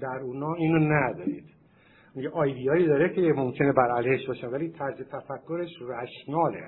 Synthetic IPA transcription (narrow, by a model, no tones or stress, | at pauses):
d̪æɾuːnɒːiːnonæd̪ɒːɾḭːd̪̥ | miɟeʔɒːjd̪ijɒːiːd̪ɒːɾecʰemomcʰe̞nebæɾælhe̞ʃt̪bɒːʃenvæliːt̪ʰæɾzet̪ʰæfækʰːoɾeʃræʃnɒːlḛ